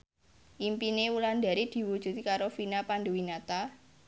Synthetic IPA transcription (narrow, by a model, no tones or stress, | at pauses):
ʔimpineuland̪a̤ɾid̪̥i̤wud̥ʒ̥ṳt̪kaɾofinapand̪owinat̪a